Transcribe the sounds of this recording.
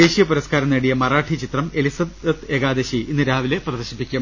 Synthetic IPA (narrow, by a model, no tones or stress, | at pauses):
e̞ːɕijɐpuɾɐskaːɾɐneɽijɐmɐraːʈʰit͡ɕit̪rɐme̞lisɐb̪ɐt̪e̞ɡaːd̪eɕiinːɨɾaːʋile̞prɐd̪ɐɕipːikʲːum